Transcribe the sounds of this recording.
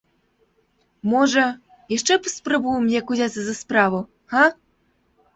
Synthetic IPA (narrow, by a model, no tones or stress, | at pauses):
mɔʐɐ | jaʂt͡ʂɛpɐsprɐbujmnʲɛkuzʲat̪sɐzɐspɾavu | ha